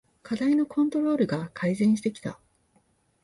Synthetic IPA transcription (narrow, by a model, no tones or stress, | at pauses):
kad̪aino̞kʰõ̞nt̪o̞ɾo̞ːɾɯ̟ɡakʰaizẽ̞ɰ̃ɕi̥t̪e̞kʲi̥t̪a̰